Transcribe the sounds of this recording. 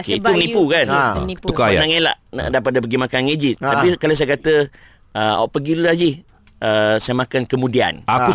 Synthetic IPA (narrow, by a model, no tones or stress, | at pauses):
okeit̪umənipukanukajanaŋela̰ʔna̰dap̬adəpəɡimãkaned͡ʒiapikalas̬ajəkat̪ə | əɔ̰ʔpəɡiluad͡ʒih | əsajəmakankəmũdia̰naku